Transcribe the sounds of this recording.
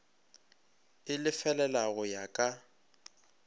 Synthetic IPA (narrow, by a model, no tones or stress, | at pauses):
ɪlɪfɛlɛlaɣʊjakʼa